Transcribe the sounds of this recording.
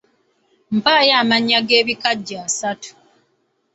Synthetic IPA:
m̩paːjaːmaɲːaɡe̞ːβikaɟːaːsatu̥

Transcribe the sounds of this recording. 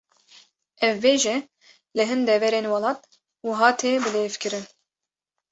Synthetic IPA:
ɛvːeːʒɛ | lɨɦɨnd̪ɛvɛɾeːnwɑlɑːt̪̚ | wuɦɑːt̪ʰeːbɨleːvkɨɾɨn

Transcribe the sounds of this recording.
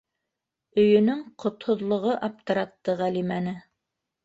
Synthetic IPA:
ɵ̆jɵ̆nɵŋqʰŏt̪hŏðlˠŏʁɤʔɑp̚t̪ɤ̆ɾɑt̪ːɤʁælimænɘ

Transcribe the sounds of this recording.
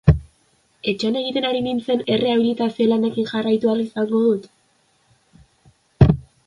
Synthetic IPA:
e̞t͡ʃeane̞ɣ̞it̪e̞naɾinint͡se̞ne̞reaβilit̪asiolane̞kinʝarajt̪ualisaŋɡo̞ðut̪

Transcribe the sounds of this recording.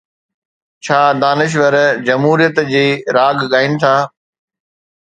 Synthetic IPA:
t͡ɕʰaːd̪aːnɪʃ̬ʋəɾd͡ʑɐmɦuːɾijət̪d͡ʑeːɾaːɡɠaːɦɪnɪ̆t̪ʰaː

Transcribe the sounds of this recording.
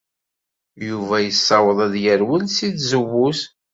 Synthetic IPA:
juvæjəsːɑwəðˤæðjəɾwənsiθzəwːus

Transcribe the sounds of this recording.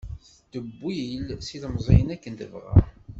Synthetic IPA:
d̪əbːilsiləmzˤḭjənækːənt̪əvʁa̰

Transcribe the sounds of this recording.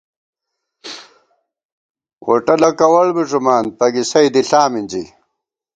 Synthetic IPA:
wo̰ʈɐlɐkɐwɐɭbiʐumaːnpɐɡisɐjd̪iɬaːminʲd͡ʑḭ

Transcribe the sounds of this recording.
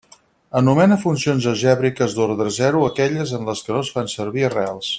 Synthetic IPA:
ənumɛnəfunsionzəʒɛβɾikəzðoɾðɾəzɛɾuəkɛʎəzənləskənosfansəɾβiərealˠs

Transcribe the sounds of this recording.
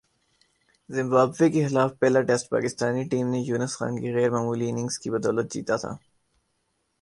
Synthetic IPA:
zɪ̃mbaːbʋekexɪlaːfpɛːlaʈɛsʈ̚pa̰ːkɪst̪aːniʈiːmnejuːnəsxã̰ːnkiɣɛːɾmaːmuːlienɪ̃ŋɡz̥kibɐd̪ɔːlət̪̚d͡ʒḭːt̪at̪ʰa̰ː

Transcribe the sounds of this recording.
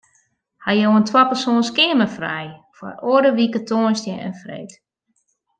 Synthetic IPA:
hajowəntʰwɔpərsoːnskɪəməfrɛ̰j | fɔ̰rʔoədəʋikətʰoːnstjəə̰nfrḛjt

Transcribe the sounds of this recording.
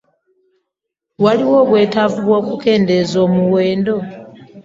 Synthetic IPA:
waliwo̞ːβwe̞ːtavuβwoːkuke̞ːnde̞zo̞ːmuwe̞ːndo̞

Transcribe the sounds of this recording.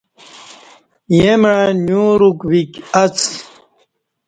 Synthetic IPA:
jemanjũɾukwikɐt͡s

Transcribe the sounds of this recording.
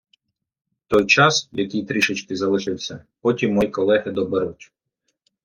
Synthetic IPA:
t̪ɔjt͡ʃɑsjɐkʲijt̪ɾʲiʃɪt͡ʃkɪzɐlˠɪʃɪwsʲɐpɔtʲimːɔjijkɔlˠɛɦɪd̪ɔbeɾutʲ

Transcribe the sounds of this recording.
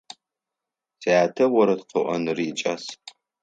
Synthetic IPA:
sejaːtʰɐwɐɾɐtqʰəʔɐ̰nɨrit͡ʃʼas

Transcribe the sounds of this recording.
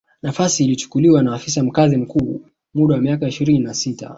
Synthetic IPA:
nafasiːlit͡ʃu̥kuliwanaːfisam̩kazim̩kuː | muɗawamiakaiʃiɾininasita̰

